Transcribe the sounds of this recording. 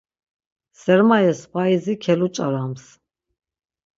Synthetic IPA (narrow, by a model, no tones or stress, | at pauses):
sɛɾmajɛspʰaizikʰɛlut͡ʃʼaɾams